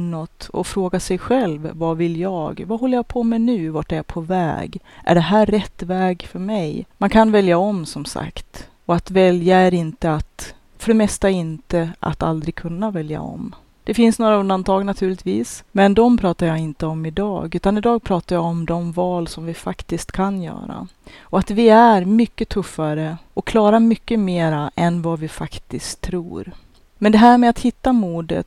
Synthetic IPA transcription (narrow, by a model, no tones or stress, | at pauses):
nːɔt̪ɔ̰fɾoːɡasɛjɧɛlvvavɪljɑːɡvaɦɔlːəɾjaɡpʰɔmɛnʉ̟ːvaʈːɛɾpʰɔvɛ̰ːɡ | ʔæ̰ɖɛɦæːɛt̪ːvɛːɡfœɾmɛjmankʰanvɛljaɔmsɔmsa̰kt̪ | ɔat̪vɛljaæɾɪnt̪əat̪ | fœɖɛmɛst̪aɪnt̪əʔa̰t̪a̰ld̪ɾɪɡ̚kʰɵnːavɛlja̰ɔ̰m | d̪̥ɛfɪnsnoːɾaɵnd̪ant̪ʰɑːɡnat̪ʰʉːɭɪt̪vḭːsmɛnd̪ɔmpʰɾɑːt̪aɾjɑːɪnt̪əɔmɪd̪ɑ̰ːɡʉ̟ːt̪anɪd̪ɑːɡ̚pʰɾɑːt̪aɾjaɔmd̪ɔmvɑːlsɔmvɪfakt̪ɪskt̪kʰanjœ̰ːɾa̰ɔat̪vɪæɾmʏkːət̪ʰɵfːaɾəɔkʰlɑːɾamʏkːəmeːɾaʔɛnvavɪfakt̪ɪskt̪ʰːɾṵːɾ | mɛnd̪ɛɦæːɾmɛat̪hɪt̪ːamuːɖ̪ə̰t̪